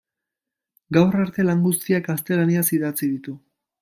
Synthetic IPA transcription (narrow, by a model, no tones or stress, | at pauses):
ɡawraɾt̪e̞laŋɡust̪iaɡast̪e̞laniasiðat͡siðit̪u